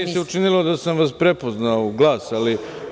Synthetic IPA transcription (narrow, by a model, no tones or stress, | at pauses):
iseut͡ʃinilod̪asamʋaspɾepo̞znaoɡlˠaːsali